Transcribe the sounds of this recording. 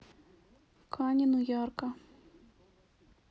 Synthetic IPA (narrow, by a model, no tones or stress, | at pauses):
kʰɑnʲinujɑrkɑ